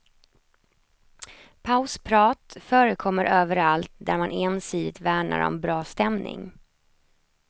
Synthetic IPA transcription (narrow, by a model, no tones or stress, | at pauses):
pʰaʊspʰɾɑːt̪fœːɾəkʰɔmːəɾʔøːvəɾalt̪̚d̪æɾmaneːnsiːd̪ɪt̪væːɳa̰ɾɔ̰mbɾɑːst̪ɛmnɪ̰ŋ